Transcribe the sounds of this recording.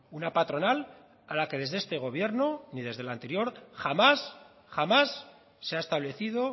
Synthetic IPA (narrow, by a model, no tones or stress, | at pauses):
unapat̪ɾo̞nal | alake̞ðe̞zðe̞st̪e̞ɣ̞o̞βje̞ɾnoniðe̞zðelant̪e̞ɾjo̞ɾxamas | xamasː | e̞aest̪aβ̞le̞θiðo̞